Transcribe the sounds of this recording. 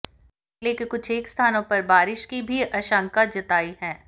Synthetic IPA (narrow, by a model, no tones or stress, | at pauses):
leːkikʊt͡ʃʰeːkst̪ʰaːnõpɐɾbaːɾɪʃkibʱiʔɐʃãŋkad͡ʒɐt̪aːiɦɛː